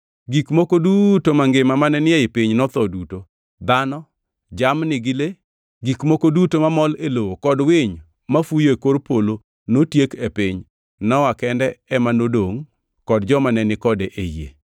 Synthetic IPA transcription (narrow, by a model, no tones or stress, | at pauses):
ɡikmokodutomaŋɡemamanɛnɪeɪpiɲnɔt̪ɔduto | d̪anɔ | d͡ʒamnɪɡɪle | ɡikmokodutomamɔlelowokɔdwɪɲ | mafujoekoɾpolo | notjekepɪɲ | nɔwakɛndɛɛmanodoŋ | kɔdd͡ʒɔmanɛnɪkɔdeʔejḛ